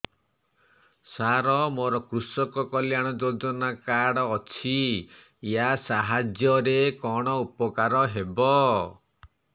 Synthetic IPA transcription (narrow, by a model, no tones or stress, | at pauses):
saɾɔmoɾɔkɾusɔkɔkɔljaɽ̃ɔd͡ʒodɔnakaɽɔːt͡ʃʰiː | asaɦad͡ʒjɔɾekɔɽ̃ɔupɔkaɾɔɦebɔ